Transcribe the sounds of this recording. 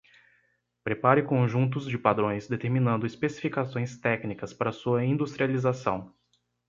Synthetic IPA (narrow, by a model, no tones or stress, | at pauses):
pɾepaɾɪkõʒũnt̪̬ʊzd͡ʒɪpad̪ɾõj̃zd̪et̪eɾmĩnɐ̃nd̪ʊispesi̥fikasõj̃st̪ɛknikɐspaɾɐsuɐĩd̪ust̪ɾializasɐ̰̃w̃